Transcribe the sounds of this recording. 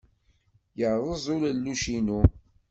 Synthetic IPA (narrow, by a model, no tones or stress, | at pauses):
jəɾðˤəzˤʊlælːuʃinu